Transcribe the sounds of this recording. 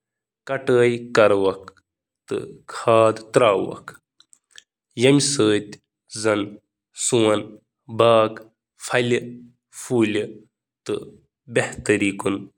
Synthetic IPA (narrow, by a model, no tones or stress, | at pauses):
kɐʈəːjkɐɾʋɐk̚ | t̪ɨ̰kʰaːd̪t̪ɾaːwɐ̰kʰ | jɐmʲsəːt̪ʲ | zɐn | suwɐn | baːk | fʰɐl | fʰuːli | t̪ɨ̰ | beht̪ɐɾiːkun